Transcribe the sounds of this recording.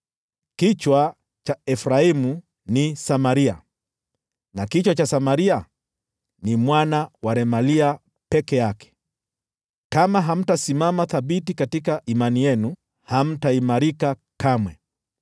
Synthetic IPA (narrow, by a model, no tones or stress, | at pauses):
kit͡ʃwa | t͡ʃaɛfɾaimu | nisamaɾia | nakit͡ʃwat͡ʃasamaɾia | nimwanawaɾɛmalia | pɛkɛjakɛ̥ | kamaɦam̩tasimamaθaɓitikatikaʔimanijɛnu | ham̩taimaɾikakamwɛ